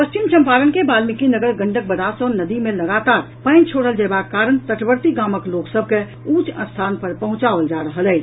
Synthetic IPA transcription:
pəst͡ʃimt͡ʃəmpaɾənkebalmikinəɡəɾɡə̃ɳɖək̚bəd̪asənəd̪imẽləɡat̪aɾ | pə̃nt͡ʃʰoɽəld͡ʒɛbakaːɾənt̪əʈbəɾt̪iɡaməkloksəb̚ʱke | ut͡ʃə̰̃nst̪ʰanpəɾpəɦʊ̃t͡ʃaʋəld͡ʒaɾəɦəlɛː

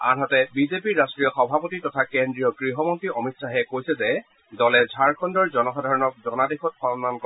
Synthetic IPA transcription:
a̰ɦɔtɛbizepiɹɹastɹijɔxɔbʱapotitɔtʰakendɹijɔɡɹiɦɔmɔntiʔɔmitsaɦɛkojsɛzɛ | dɔlɛzʱaɹkʰɔndɔɹzɔnɔxadʱaɹɔnɔk̚zɔnadexʰɔt̚pʰɔɔnmankɔ

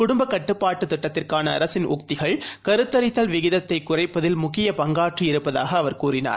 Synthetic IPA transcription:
kʊɽʊmbɐkːɐʈːɯpːaːʈːɯt̪ɪʈːɐt̪ːɪrkaːnɐ̰ːɾɐsɪnʔʊ̰k̚t̪ɪɣɐɭkɐɾɯt̪ːɐɾɪt̪ːɐlʋɪɣɪðɐt̪ːɐɪkːʊrɐɪpːɐðɪlmʊkɪjɐpɐŋɡaːʈriɪɾɯpːɐða̰ːɣɐːʋɐɾkuːrɪna̰ːɾ

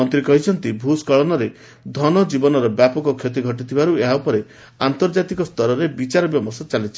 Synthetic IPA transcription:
ɔnt̪ɾikɔɦit͡ʃʰɔnt̪ibʱuskɔɭɔnɔɾe | d̪ʱɔnɔd͡ʒibɔnɔɾɔbjapɔkɔkʰjot̪̬iɡʱɔʈit̪ʰibaɾueɦaupɔɾe | ant̪ɔɾd͡ʒat̪ikɔst̪ʰɔɾɔɾebit͡ʃaɾɔbjɔmɔsɔt͡ʃalit͡ʃʰi

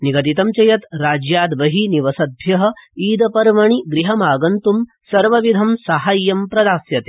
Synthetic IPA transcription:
niɡɐt̪it̪ɐmt͡ʃɐjɐt̪ɾaːd͡ʒjaːd̪ʋɐɦiniʋɐsɐd̪ʱjɐɦɐ̆iːd̪ɐpɐɾʋɐɳiɡɾiɦɐmaːɡɐnt̪um | sɐɾʋɐʋid̪ʱɐmsaɦaːjːɐmpɾɐd̪aːsjɐt̪eː

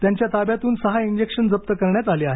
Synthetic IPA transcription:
t̪jaɲt͡ɕjat̪abjat̪uːnsəɦaiɲd͡ʑekʂənd͡zəp̚t̪əkəɾɳjat̪aleaɦe

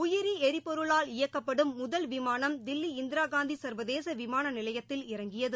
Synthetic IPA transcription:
ʊjɪɾiɛɾɪpɔɾɯɭaːlɪjɐkːɐpːɐɽɯmːʊðɐlʋɪmaːnɐmd̪ɪlːiɪnd̪ɪɾaːɡaːnd̪isɐɾʋɐðeːsɐʋɪmaːnɐnɪlɐjɐt̪ːɪlɪɾɐŋɡɪjɐðɯ

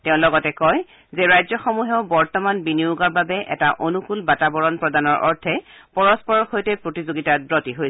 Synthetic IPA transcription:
teʊ̃lɔɡɔtɛkɔj | zɛɹajzɔxɔmuɦɛʊbɔɹtɔmanbiniʊɡaɹbabɛʔɛ̰taʔonukulbatabɔɹɔnpɹɔdanɔɹʔɔ̰ɹtʰɛpɔɹɔspɔɹɔxojtɛpɹotizoɡitadɹɔtiɦoj

